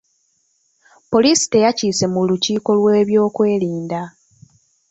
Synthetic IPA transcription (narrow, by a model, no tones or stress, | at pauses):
po̞lisi̥te̞jaciːse̞muluciːko̞lwe̞ːβjo̞ːkwe̞ːliːnda